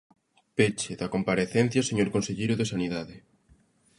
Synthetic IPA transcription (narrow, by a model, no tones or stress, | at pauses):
pet͡ʃeðakompaɾeθɛn̟θjaseɲoɾkonseʎejɾʊðesaniðaðɪ